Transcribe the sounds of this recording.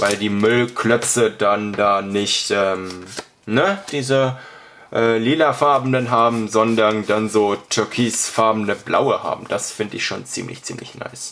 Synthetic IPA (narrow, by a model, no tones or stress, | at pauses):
vaɪldiːmʏlkʰlœpt͡sədandaːnɪçtʔɛːm | nəd̥iːzə | ʔɛːliːlafaɐbm̩dənɦaːbm̩zɔndɐndanzoːtʰʏɐkʰiːsfaɐbm̩nəblʔa̰ʊəha̰ːbm̩d̥asfɪndəɪçʃo̰ːnt͡sḭːmlɪ̰çt͡sḭːmlɪ̰çna̰ɪs